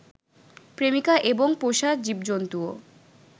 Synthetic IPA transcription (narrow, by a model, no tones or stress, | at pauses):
pɾemikaʔeboŋpoʃad͡ʑib̚d͡ʑont̪uo